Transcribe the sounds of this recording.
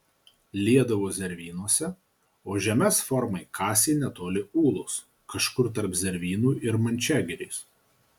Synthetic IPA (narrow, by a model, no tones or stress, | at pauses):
lʲiɛd̪ɐʋoːzʲɛɾʲʋʲiːnuɔsʲɛ | oːʒʲɛmʲɛsfɔɾmɐɪkʰɑːsʲenʲɛt̪oːlʲɪuːlˠʊs | kɐʃkʊɾt̪̬ɐɾpzʲɛɾʲʋʲiːnuːʔɪɾmɐnʲt͡ʃʲæːɡʲɪɾʲeːs